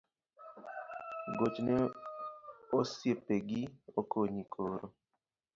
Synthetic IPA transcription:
ɡot͡ʃnɛ | osjepeɡiokoɲikʰoɾo

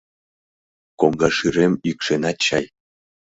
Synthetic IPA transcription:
koŋɡɑʃiɾemykʃenɑt͡ɕɑj

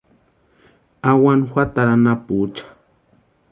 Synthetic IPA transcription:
awanxwat̪aɾanaput͡ʃḁ

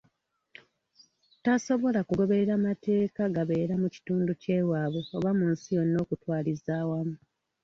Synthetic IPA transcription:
taso̞βo̞lakuɡo̞βe̞ɾeɾamate̞ːkaɡaβe̞ːɾamuci̥tuːnduce̞ːwaːβeoβamuːnsijo̞nːo̞ːkutwaːlizaːwamu

